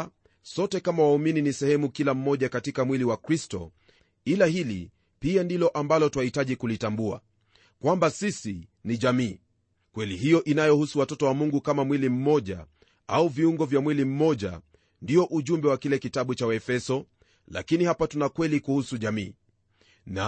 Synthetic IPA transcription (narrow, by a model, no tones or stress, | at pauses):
sɔtɛkamawaumininisɛhɛmukilam̩mɔʄakatikamwiliwakɾistɔ̰ | ilahilḭ | piandilɔʔambalɔtwahitaʄikulitambua̰ | kwambasisiniʄamiː | kwɛliɦijɔʔinajɔhusuwatɔtɔwamuŋɡukamamwilim̩mɔʄa̰ | auviuŋɡɔvjamwilim̩mɔʄa̰ | ndiɔʔuʄumbɛwakilɛkitaɓut͡ʃawɛfɛsɔ | la̰kinihapatunakwɛlikuhusuʄamiː | na